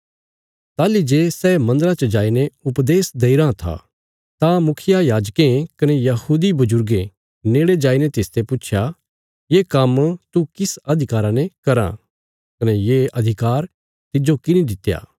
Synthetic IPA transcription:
t̪aːlid͡ʒeːsɛːmɐ̃nd̪əɾãt͡ʃəd͡ʒaːineʊpd̪eːsd̪eːiɾãt̪ʰa̰ | t̪ãmʊkʰɪjajaːd͡ʒkẽkɐnɛjɐhuːd̪ibʊd͡ʒʊɾɡẽ | neːɽed͡ʒaːinet̪ɪst̪epʊːʃʰja | jeːkɐmt̪ukɪsɐd̪ʱɪkaːɾãnekɐɾã̰ | kɐnɛjeʔɐd̪ʱɪkaːɾ | t̪ɪd͡ʒokɪnĩd̪ɪt̪ːja̰ː

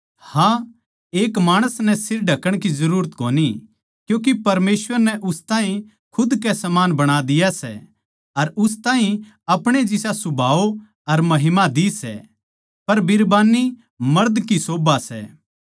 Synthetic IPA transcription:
hã | eːkmaːɽ̃əsnɛsɪɾɖʱɐkəɽ̃kizɐɾuːɾət̪koːni | kjũːk̬ipɐɾmeːsʋəɾnɛʔʊst̪aːɦĩ | kʰʊd̪kɛsɐmaːnbɐɽ̃ad̪ɪjasɛ̰ | ɐɾʊs̬t̪aːɦĩ | ɐpɽ̃ed͡ʒɪsasʊbʱaːo | ɐɾmɐɦɪmad̪isɛ̰ | pɐɾbɪɾbaːni | mɐɾd̪kisoːbasɛ̰ː

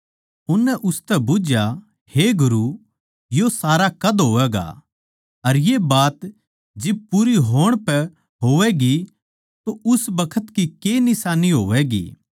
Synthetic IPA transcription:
ʊnːɛʔʊst̪ɛbʊd͡ʒja | heɡʊɾu | josaːɾakɐd̪ɦoːʋɛːɡa̰ | ɐɾjebaːt̪ | d͡ʒɪb̚puɾiɦoːəɽ̃pɛ | ɦoːʋɛɡi | t̪oʔʊsbɐkʰət̪kikenɪsaːniɦoːʋɛɡḭː

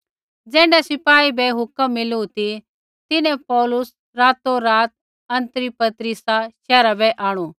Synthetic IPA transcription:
d͡zɛ̃ːɳɖɛsɪpaːibɛɦʊkəmːɪlut̪i | t̪ɪnɛ̃pɔːlʊs | ɾaːt̪oɾaːt̪̚ | ɐ̃nt̪əɾipɐt̪ɾɪsaʃɛːɾabɛʔaːɽ̃ũː

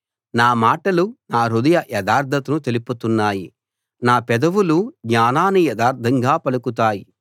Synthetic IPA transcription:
naːmaːʈɐlunaːɾud̪ɐjɐʔjɛd̪aːɾd̪ʱɐt̪unut̪e̞liput̪unːaːji | naːpɛd̪ɐʋuluɡɲaːnaːnijɛd̪aːɾd̪ʱɐŋɡaːpɐlukut̪aːji

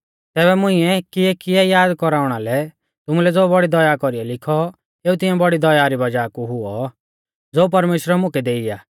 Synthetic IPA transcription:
t̪ɛːβɛmʊ̃ɪ̃ɛkɪɛkɪjɛjaːd̪kɔɾaːʊɽ̃alɛ | t̪ʊmulɛd͡zoːbɔɽid̪ɔjakɔɾiɛlɪkʰɔ | eːut̪̬ɪ̃jɛ̃bɔɽid̪ɔjaɾibɐd͡ʒaːkuɦʊɔ | d͡zoːp̬ɐɾmeːʃɾɛmʊ̃kɛd̪eːija̰ː

